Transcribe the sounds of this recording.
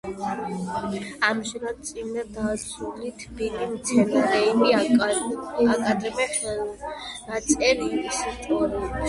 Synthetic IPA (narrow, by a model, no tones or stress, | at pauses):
amʃɛɾad̪̚t̪sʼinɛd̪asɾulit̪ʰbilimt̪sʰɛnaɾɛimi | akʼad̪ɾɛmɛχɛ | nat̪sʼɛlimisit͡ʃʼɔɾi